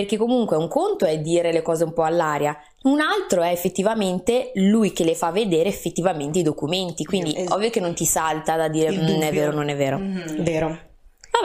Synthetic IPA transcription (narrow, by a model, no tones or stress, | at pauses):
perkekːomuŋkweuŋkont̪oɛd̪ːiːɾelekɔːzeumpɔalːaːɾja | unalt̪ɾoɛefːet̪ːivament̪elujk̟elefavːed̪eːɾeːfːet̪ːivament̪eid̪okument̪ikwind̪iʔɔvːjok̟enːont̪isalt̪ad̪ad̪ːiːɾennɛvːeːɾononɛvːeːɾoveːɾo | a